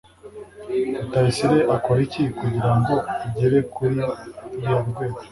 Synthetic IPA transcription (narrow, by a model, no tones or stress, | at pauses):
utaisiɾeʔakoɾicikuɟiɾaŋɡo̞iɟeɾekuɾiɾijaɾɡwe̞ːɡo